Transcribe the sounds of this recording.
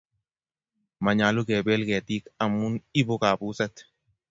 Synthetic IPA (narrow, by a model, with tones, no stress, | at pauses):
ma˨ɲa˨lu˦ɡɛ˨bɛ˦lɡɛ˨t̪i˦ka˨mu˦ni˦bo˦ka˨bu˦sɛ˦t̪